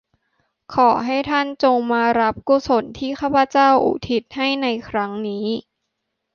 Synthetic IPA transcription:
kʰɔː˩˦ɦa˥˩jt̪ʰa˥˩nt͡ɕo˧ŋmaː˧ɾa˦˥p̚kuː˧˩so˨˩˦nt̪ʰiː˥˩kʰaː˥˩pʰa˧t͡ɕaː˥˩wʔṵː˨˩t̪ʰi˦˩t̪̚ha˥˩jna˧jkʰɾa˦˥ŋniː˦˥

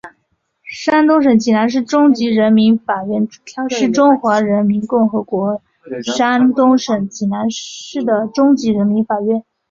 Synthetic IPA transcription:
ʂa˥nt̪ʊ˥ŋʂ̬ɤ˨˩ŋt͡ɕi˨˩na˧˥nʂ̬ɻ̩˥˩ʈ͡ʂʊ˥ŋt͡ɕi˧˥ɻə˧˥nmi˧˥nfa˨˩ɥɛ˥˩n˨˩˥ʂɻ̩˥˩ʈ͡ʂʊ˥ŋxwa˧˥ɻə˧˥nmi˧˥nkʊ˥˩ŋxɤ˧˥kwɔ˧˥ | ʂa˥nt̪ʊ˥ŋʂɤ˨˩ŋt͡ɕi˨˩na˧˥nɻ̩˥˩d̪ə˩ʈ͡ʂʊ˥ŋt͡ɕi˧˥ɻə˧˥nmi˧˥nfa˨˩ɥɛ˥˩n

